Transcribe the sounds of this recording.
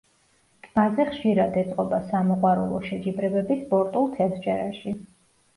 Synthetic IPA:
mazɛχʃiɾad̪ɛt̪sʼqʼɔbasamɔqʼwaɾɛlˠɔʃɛd͡ʒibɾɛbɛbispʼɔɾt̪ʼulˠt̪ʰɛsd͡ʒɛɾa̰ʃi

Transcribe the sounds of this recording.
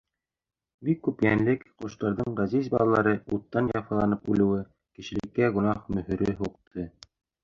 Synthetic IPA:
bikːʉpjænlɘkqŏʃt̪ɑɾðɤɴɢɑzizbɑlˠɑlˠɑɾɤut̪ːɑnjɑfɑlˠɑnɤpʉlɘ̆wɘ | kɘ̆ʃɘ̆lɘ̆kːæɡŏnɑχmɵ̆hɵ̆ɾɘɦuqt̪ʰɤ

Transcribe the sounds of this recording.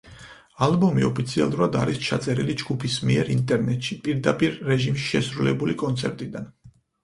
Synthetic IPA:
albɔmiɔpʰit̪sʰia̰lˠuɾad̪aɾist͡ʃʰat̪sʼɛɾilid͡ʒɡupʰismiɛɾint̪ʼɛɾnɛt̪ʼʃipʼiɾd̪apʼiɾːɛʒimʃi̥ʃɛsɾulɛbulikʼɔnt̪sʰɛɾt̪ʼid̪an

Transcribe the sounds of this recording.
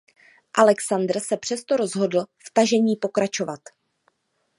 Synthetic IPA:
ʔalɛksand̪r̩sɛpr̥ɛst̪o̞ɾo̞zɦo̞dl̩ft̪aʒɛɲiːpo̞kɾat͡ʃo̞vat̪

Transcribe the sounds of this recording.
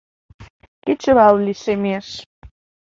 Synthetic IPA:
ket͡ɕəβɑlliʃemeʃ

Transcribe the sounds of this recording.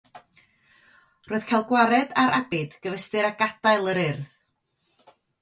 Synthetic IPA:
roːɨð̥kʰajlˠɡwaɾɛdaɾʔabɪd̥ɡ̥əvəstɨɾaɡ̥ad̥ajlˠəɾɪrð

